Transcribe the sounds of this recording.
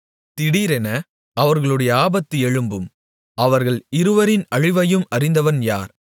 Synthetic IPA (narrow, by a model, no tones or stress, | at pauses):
t̪ɪɽiːɾɛnɐ | ɐʋɐɾɣɐɭɯɽɐjɐaːbɐt̪ːɯɛɻɯmbɯm | ɐʋɐɾɣɐɭɪɾɯʋɐɾɪnɐɻɪʋɐjɯmɐrɪnd̪ɐʋɐnjaːɾ